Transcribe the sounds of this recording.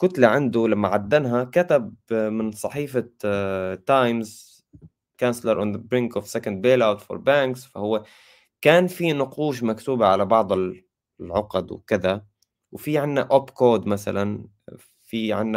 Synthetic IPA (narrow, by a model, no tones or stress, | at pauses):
kʊt̪laʕand̪ulamːaʕad̪ːanɦakat̪ab̚mɪnsˤɑħiːfa | t̪ːajmz | kanslɑɾˤʔʊnðəbɾɪŋkʊfsɛkand̪̚beːlawt̪fo̰ɾbaŋksfahʊwːe | kaːnfinʊquːʃ̬makt̪uːbaʕalabɑʕd̪ˤɪl | lʕʊqɑd̪wkɪða | wfiʕɪnːaʔɔpkoːd̪masa̰lan | fiʕɪnːa